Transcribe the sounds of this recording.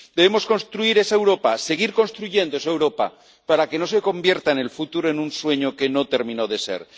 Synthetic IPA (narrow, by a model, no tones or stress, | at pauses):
d̪e̞βemo̞sko̞nst̪ɾuiɾe̞saewɾo̞pase̞ɣ̞iɾko̞nst̪ɾuʝe̞nd̪oesaewɾo̞pa̰ | paɾake̞no̞se̞ko̞mbje̞ɾt̪aene̞lfut̪uɾoe̞nunswe̞ɲoke̞no̞t̪e̞ɾmĩno̞ðe̞se̞̰ɾ